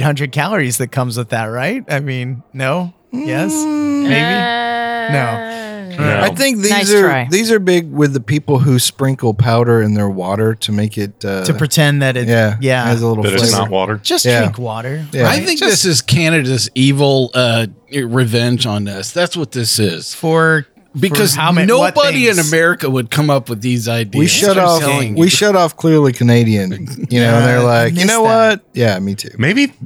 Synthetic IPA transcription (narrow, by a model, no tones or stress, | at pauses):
hʌ̃ndɹɨd̚kʰælˠə˞izðɨt̚kʰʌ̃mzwɨðɨt̚ɹaɪt̚aɪmĩnːoʊ | jɛsmeɪbinoʊ | aɪθɪ̃ŋk̚ðiazə˞aɪðizə˞bɪɡwɪðɨpʰipl̩ˠɦʉspɹɪ̃ŋkl̩ˠpʰaʊɾə˞ɨ̃nðə˞wɔɾə˞ɾɨmeɪkɪt̚ʌtʰɨpɹ̥ɨtʰɛ̃nðɨɾɨjæjæɨzəlɪɾl̩ʌɾlɪnə̰t̚wɔ̰ɾə̰̥˞d͡ʒ̥ʌsʰæĩŋkwɔɾə˞jæaɪθɪ̃ŋk̚ðɪsɨz̥kʰænɨɾɨzivl̩ˠʌɹɨvɛ̃nd͡ʒn̩ðɪsðætswʌt̪̚ðɪsɪz̥fə˞ | bɨkʰʌzʊnoʊʌbəɾiɨ̃nɨmɛɹɨkɨwɨd̚kʰʌ̃mʌpwɨðizaɪdiwiʃʌɾɔflˠɪ̃ŋwiʃʌɾɔfkʰl̥ɪɹlikʰɨneɪɾiɨ̃njɨnoʊə̃nðə˞laɪkjɨnoʊwʌt̚jæmitʰʉ̰meɪbi